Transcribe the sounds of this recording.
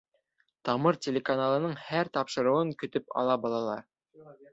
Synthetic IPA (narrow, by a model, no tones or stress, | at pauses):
t̪ɑmɤɾtʲelʲekanalˠɤ̆nɤɴhæɾt̪ɑpʃɤ̆ɾɤ̆wɤŋkɵ̆t̪ɵpɑ̰lˠɑbɑlˠɑlˠɑɾ